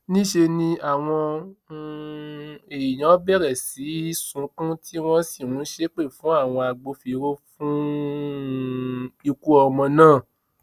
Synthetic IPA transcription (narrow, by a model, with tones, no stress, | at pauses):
nĩ˦ʃe˧nĩ˧a˦˨w̃ɔ̃˧ | e˨j̃ã˨˦bɛ˦˨ɾɛ˨si˨˦i˦sũ˨˦kã˦tʰi˦w̃ɔ̃˦si˦˨ũ˨˦ʃe˦k͡pe˦˨fũ˨˦a˦˨w̃ɔ̃˧a˧ɡ͡bo˧fi˧ɾo˦fũ˦ | i˧ku˦ɔ˧mɔ̃˧nãː˦˨